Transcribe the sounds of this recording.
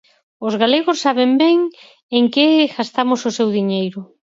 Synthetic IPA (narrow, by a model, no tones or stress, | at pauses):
ʊzɣaleɣʊsːaβembɛŋ | eŋkeɣast̪amʊsʊsewðiɲejɾʊ